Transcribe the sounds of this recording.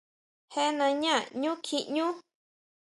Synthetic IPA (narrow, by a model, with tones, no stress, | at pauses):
he˦nã˧ɲã˦˨ɲũ˦kʰi˧ʔɲũ˦